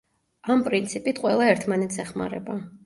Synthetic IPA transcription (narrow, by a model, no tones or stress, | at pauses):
ampʼɾint̪sʰipʼit̪ʰqʼwɛlˠaɛɾt̪ʰmanɛt̪sɛχma̰ɾɛ̰ba